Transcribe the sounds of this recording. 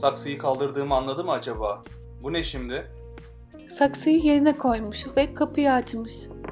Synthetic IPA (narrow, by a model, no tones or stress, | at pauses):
saksɯjɯkʰalˠd̪ɯɾd̪ɯːmɯanlˠad̪ɯmad͡ʒabaː | bunɛʃimd̪ɪ | saksɯjɯje̞ɾinɛkʰo̞jmuʃvɛkʰapʰɯjaːt͡ʃmɯʃ